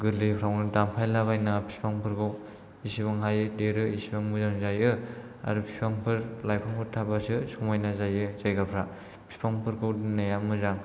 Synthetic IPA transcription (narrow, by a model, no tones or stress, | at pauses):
ɡɯlipʰɾawnɯdampʰajlaβajnapʰi̥spʰaŋpʰɯɾɡɯw | isibaŋɦajɯdeɾɯisibaŋmɯzaŋzajɯ | a̰ɾupʰi̥spʰaŋpʰɯɾlajpʰaŋpʰɯɾtʰabasɯsumajnazajɯzajɡapʰɾa | pʰi̥spʰaŋpʰɯɾɡʰɯwdnajamɯzaŋ